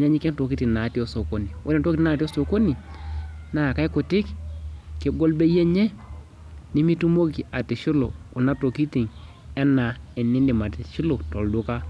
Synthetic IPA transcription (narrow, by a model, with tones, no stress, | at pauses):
ɲa˦ɲi˦kɛ˦nto˨ki˦ti˨ŋna˨˦ti˦o˦so˨ko˦ni˨wʔo˦dɛ˨nto˦ki˦na˦˨ti˦o˦so˨ko˦ni˨ | na˨ka˦i˦ko˨tɪ˦kki˨ɡo˦lbe˦je˦ɲɛ˦ | ni˦mi˦tu˦mo˦ki˨a˨ti˨ʃu˦lo̰˨ku˨na˦to˨ki˦ti˨ŋ | ɛ˦na˨ɛ˨ni˦ni˨ma˨ti˨ʃi˦lo˨to˨ldu˦ka˦